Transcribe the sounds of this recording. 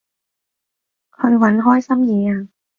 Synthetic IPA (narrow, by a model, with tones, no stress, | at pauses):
kʰɔ˧nwa˨˦˥nɦɔː˥˩jsa˥˩˨mjiː˨˧˦a˧˩